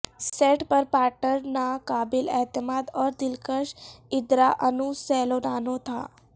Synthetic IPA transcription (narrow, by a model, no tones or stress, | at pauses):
seːʈpəɾpaːɾʈəɾnakaːbɪlɛɦt̪ɪmaːd̪ɔːɾd̪ɪlkəʃɪd̪ɾaʔɐnusɛːlonaːnot̪ʰa̰ː